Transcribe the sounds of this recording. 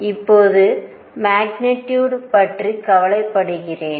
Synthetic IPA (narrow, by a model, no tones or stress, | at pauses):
ɪpːoːðɯ | maːɡnɪʈːjuːɽpɐʈrikɐʋɐlɐɪpːɐɽɯɣɪreːn